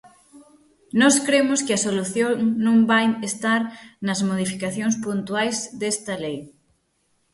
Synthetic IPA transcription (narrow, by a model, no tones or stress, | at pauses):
nɔskɾemʊskɪɐsoluθjoŋnõŋbajest̪aɾnɐzmoð̞ifikaθjoŋspunt̪wajzd̪est̪ɐlej